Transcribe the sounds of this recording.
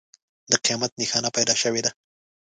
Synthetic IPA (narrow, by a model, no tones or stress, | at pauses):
d̪əqijɑmat̪̚nexɑnapajd̪ɑʃəwed̪a